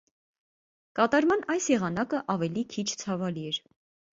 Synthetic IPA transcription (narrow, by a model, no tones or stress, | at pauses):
kɑt̪ɑɾmɑnɑjsjɛʁɑnɑkəʔɑvɛlikʰit͡ʃʰt͡sʰɑvɑliɛɾ